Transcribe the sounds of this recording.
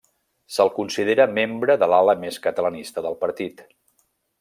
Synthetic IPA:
səlˠkunsið̞eɾəmembɾəðəlaləmeskət̪ələnist̪əðəlˠpəɾt̪it̪

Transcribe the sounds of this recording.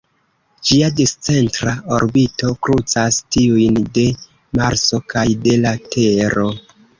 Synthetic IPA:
d͡ʒiadist͡se̞ntɾao̞ɾbito̞kɾut͡sastiujnde̞ | maɾso̞kajde̞latʰe̞ɾo̞

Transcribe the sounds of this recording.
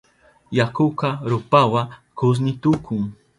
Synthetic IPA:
jakʊkaɾʊpawakʊs̬nɪt̪ʊkʊŋ

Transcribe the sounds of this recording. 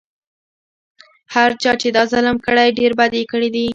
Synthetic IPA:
haɾt͡ʃɑt͡ʃed̪ɑzalamkəɽajɖeɾbad̪ekəɽid̪i

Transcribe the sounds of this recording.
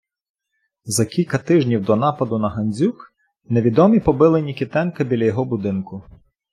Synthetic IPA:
zɐkʲilʲkɐt̪ɪʒnʲiwd̪ɔnɑpɐd̪ʊnɐɦɐnʲzʲuk | neʋʲid̪ɔmʲipɔbɪlˠɪnʲikʲit̪ɛnkɐbʲilʲɐjɔɦɔbʊd̪ɪnkʊ

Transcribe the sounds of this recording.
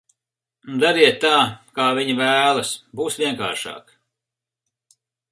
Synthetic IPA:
nud̪aɾiɛt̪ːaːkaːviɲivæːlˠɐsbuːsvʲiɛka̰ːɾʃɑ̰ːk

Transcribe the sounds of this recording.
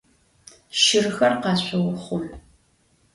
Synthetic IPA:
ʃɪrxɐrqɑːɕʷɐwʊχʷʊɮ

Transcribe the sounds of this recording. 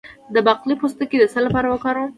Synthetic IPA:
d̪əbaqlipost̪əked̪əsalːapɑɾawəkɑɾə

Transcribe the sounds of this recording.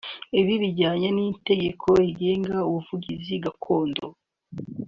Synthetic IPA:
iβiβiɟaːɲanite̞ɟekʰo̞iɡe̞ːŋɡauβuvuɟiziɡakʰo̞ːndo

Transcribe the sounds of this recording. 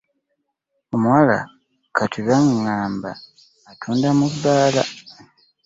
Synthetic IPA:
omuwala̰ | kʰatʰiβaŋːaːmba̰ː | tʰuːndamuββaːla̰

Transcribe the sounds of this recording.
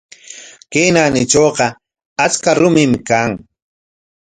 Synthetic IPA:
kenanɪt͡ʃoːqɑ | at͡skaɾʊmɪmkaŋ

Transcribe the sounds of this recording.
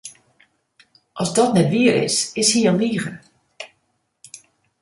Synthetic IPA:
ʔɔzdɔtnɛtʋiəɾɪ̰sɪshiəlniːɣən

